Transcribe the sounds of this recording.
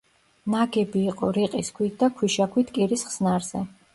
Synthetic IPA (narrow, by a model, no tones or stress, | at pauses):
naɡɛbiːqʼɔɾiqʼiskʰwit̪̚ʰd̪akʰwiʃakʰwit̪ʰkʼiɾisχsnaɾzɛ